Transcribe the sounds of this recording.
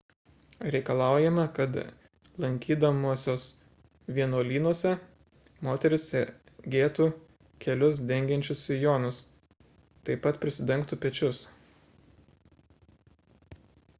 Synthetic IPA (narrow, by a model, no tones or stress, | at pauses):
ɾʲɛɪkɐlˠɑˑʊjɛmɐkɐt̪ | lˠɐŋʲkʲiːd̪ɐmuɔsʲoːs | ʋʲiɛnoːlʲiːnuɔsʲɛ | moːt̪ʲɛɾʲɪssʲɛ | ɡʲeːt̪uː | kʲɛlʲʊsd̪ʲɛŋʲɡʲɛnʲt͡ʃʲʊsɪjoːnʊs | t̪ɐɪpɐt̪pʲɾʲɪsʲɪd̪ʲɛŋkt̪uːpʲɛt͡ʃʲʊs